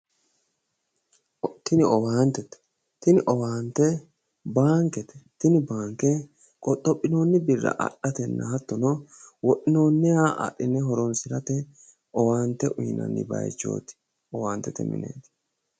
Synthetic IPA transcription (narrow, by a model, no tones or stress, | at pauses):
t̪ɪnɪɔwaːnt̪ɛt̪ɛ̥ | t̪ɪnɪʔɔwaːnt̪ɛ | baːŋkɛt̪ɛ̥t̪ɪnɪbaːŋkɛ | kʼɔt̪ʼːɔpʼːɪno̞ːnːɪbɪrːɐ̰ʔɐ̰ɗːɐt̪ɛnːɐ̰hɐt̪ːɔnɔwɔʔɪno̞ːnːɪaːʔa̰ʔːɪnːɛɦɔɾɔnsɪɾɐt̪ɛ | ʔɔwaːnt̪ɛʔʊjɪnɐ̰nːɪ̰bɐ̰jt͡ʃːo̰ːt̪ɪ̥ | ɔwaːnt̪ɛt̪ɛ̰mɪ̰nḛːt̪